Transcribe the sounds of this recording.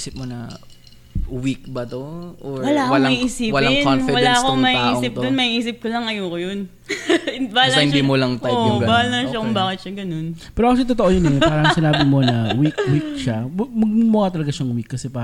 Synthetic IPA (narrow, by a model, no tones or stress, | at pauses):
isɪp̚monɐ | wik̚bɐt̪oʔoɹwɐlaːkolŋiʔiːsiːwɐlawɐlaːɐkomɐhiʔiːsɪp̪̚d̪onmɐhiʔiːsɪp̚kolɐŋɐjoːkojon | bahalsɐɪnd̪imolɐŋt̪aoʊɡbaːkɐlnɐʃakʊmbaːkɪt̪̚ʃɐɡɐno̞npɛːɾoɐkoʃɐt̪ot̪oʔojonɛpaːɾɐŋsɪnaːbɪmo̞nɐwikwik̚ʃamɐɡ̚mʊɡat̪ɐlɐɡaʃɐŋwikːɐsɛpaː